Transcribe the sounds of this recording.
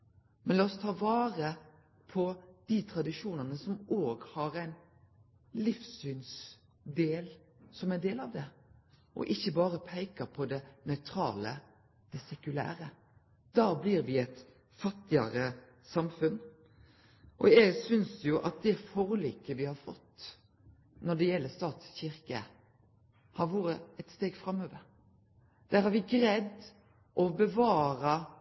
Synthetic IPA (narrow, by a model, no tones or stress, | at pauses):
mɛnlɑːɔst̪ʰɑːʋɑːɾə | pʰɔd̪̥it̪ʰɾɑd̪ɪʂuːnɑnəsɔmoːɡhɑɾæɪn | lɪfsyns | d̪eːl | sɔmæɖ̪eːlɑʋd̪ɛ | ʔɔ̰ʔɪçːəbɑːɾəpʰæɪkəpʰɔd̪ɛnœʏt̪ʰɾɑ̰ːlə | d̪̥ɛsɛkʉlæ̰ːɾə | d̪̥ɑːbliːɾʋɪɛt̪ | fɑt̪ːɪɑɾə | sɑmfʉn | ʔɔ̰jɛɡsʏnsjʊʔɑ̰t̪̚d̪ɛfoːɾliːkəʋɪhɑɾfɔt̪ː | nɔɖɛjɛlːəst̪ɑːt̪sçɪɾkə | hɑɾʋoːɾəɛt̪st̪eːɡfɾɑmːøːʋəɾ | d̪̥æːɾhɑɾʋɪɡɾɛd̪ | ʔɔbəʋɑːɾɑ